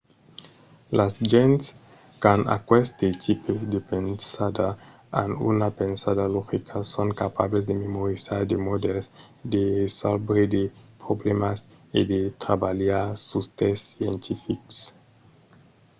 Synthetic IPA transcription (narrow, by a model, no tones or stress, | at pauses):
lasʒens | kana̰kwest̪et̪ʰiped̪epensad̪a | a̰nṵnapensaðaloxikʰasoŋkapablez̬d̪ememoɾisaɾd̪emod̪elsd̪eresalbed̪epɾoblemasid̪et̪ɾabaljaɾsust̪esːjent̪ʰifiks